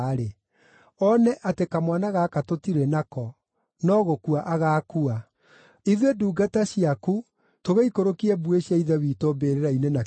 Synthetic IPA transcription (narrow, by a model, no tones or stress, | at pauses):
ɾe | ɔnɛʔatekamwanaɣaːkatotiɾɛnakɔ | nɔɣokuaʔaɣaːkua | iðweduːɡataɕiaku | toɣeikoɾokiɛbueɕjaiðɛβitombeɾeɾainena